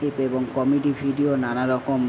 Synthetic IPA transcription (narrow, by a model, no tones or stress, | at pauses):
ipebɔŋkɔmiɖibʱiɖionanaɾɔkkɔm